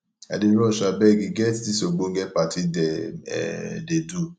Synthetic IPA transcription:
a̰deɾɔʃabɛɡiɡɛttisoɡ͡boŋ̩ɡɛpatidɛ̰ | dedu

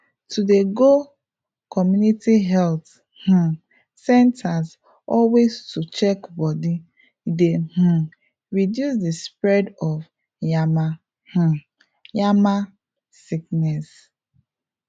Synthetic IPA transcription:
tʰudeɡo | kʰɔmjunitiɦɛlt | h̩ | sɛ̃ntʰaz | ɔlwestut͡ʃɛkbɔdi | deh̩ | ɹidjusdespɹɛdɔv | jama | h̩ | jama | siknɛs

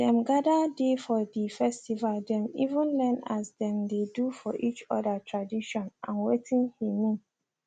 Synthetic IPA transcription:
dɛ̃mɡadadefɔdifɛstivaldɛ̃mivũnlɛ̃na̰sdɛ̃mdedufɔʔit͡ʃɔdatʰɹadiʃɔ̃nãnwetʰĩnhimĩn

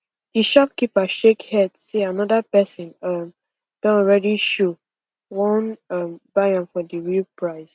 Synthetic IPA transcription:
d̥iʃɔp̚kipaʃekhɛdseanɔdapɛsɔ̃nʌm | b̥ɛ̃ɔɹɛdiʃo | wɔ̃nʌmb̥ajãnfɔdəɹilpɹaɪs

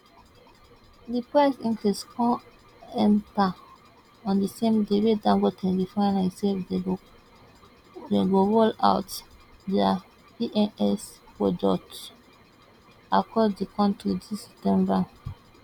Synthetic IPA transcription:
dipɹɛsĩŋkliskʰɔ̃ | ɛ̃nta | ɔ̃ndisẽmdewedãŋɡotʰɛ̃ndifɔãnãse | deɡoɹola̰ʊtdɛa | iʔɛ̃nɛspɹod͡ʒɔk̚t | akʰɔddikɔ̃ntidisɛ̥p̚tɛ̃mba

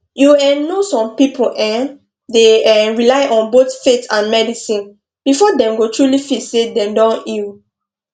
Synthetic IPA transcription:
juɛ̃nnosɔ̃mpipʰoʔɛ̃n | deɛ̃ɹilaɪʔɔ̃nboθfetʰãnmɛdisĩn | b̥ifɔdɛ̃mɡotʰɹulifitsedɛ̃mdɔ̃nil

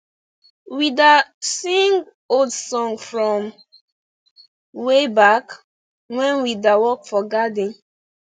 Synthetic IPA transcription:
widasĩŋɡ | odsɔ̃ŋfɹɔ̃m | webak | wɛ̃nwidawɔkfɔɡadĩn

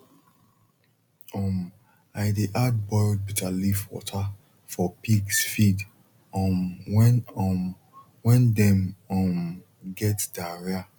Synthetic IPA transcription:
ɔm | aɪdeʔad̚bɔɪld̚bitʰalifwɔ̰tʰa | fɔpiɡsfid | ɔ̃mwɛnɔm | wɛ̃ndɛmɔ̃m | ɡɛtd̥aɹia

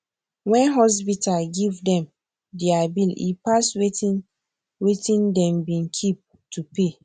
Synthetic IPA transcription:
wɛ̃nɦɔs̬pitaɡivdɛ̃m | diabilḭpaswetĩn | wetĩndɛ̃mbĩnkʰip̚ | tupe

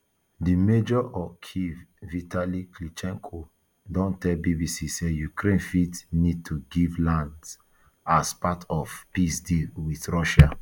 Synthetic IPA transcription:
dimed͡ʒɔʔɔkʰivvitaliklit͡ʃɛ̃ŋkʰo | dɔ̃ntɛlbibisisejukʰɾẽnfitnid̚tʰuɡivlãnds | aspatʰɔfpisdilwiθɹɔʃa

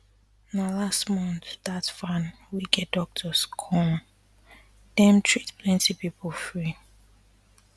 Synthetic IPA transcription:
nalastmɔ̃nθðatfãn | wiɡɛt̚dɔk̚tʰəskʰɔ̃m | d̥ɛ̃mtʰɹitplɛ̃ntʰipipʰəlfɹi

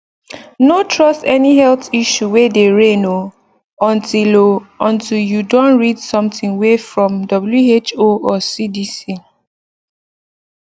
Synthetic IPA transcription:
notʰɹɔstɛnihɛltiʃuwedeɹẽno | ɔ̃ntiloɔ̃ntiljudõnɹidsɔ̃mtĩŋwefɹɔ̃mdɔbljuet͡ʃoɔsidisi

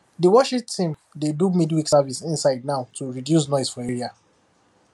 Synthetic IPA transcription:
diwɔʃĩtĩmdedumidwiksavisĩnsaɪd̚naʊtʰuɹidjus̬nɔɪsfɔɛɹia

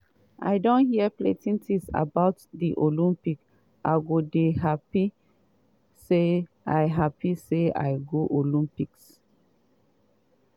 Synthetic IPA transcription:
ʔa̰ɪdõnhiəpletĩntʰisa̰baʊtdiʔolĩmpik | ʔaɪɡodeɦapi | se | aɪɦapisea̰ɪɡoʔolĩmpiks

